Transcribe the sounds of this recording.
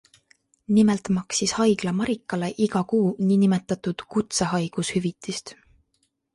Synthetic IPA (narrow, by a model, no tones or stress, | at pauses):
nimelt̪mɑksishɑjɡ̥lɑmɑɾikːˑɑle̞ʔiɡɑkuːninimet̪ːˑɑt̪ˑud̪̥kut̪seɦɑjɡ̥ushyvit̪ːˑist̪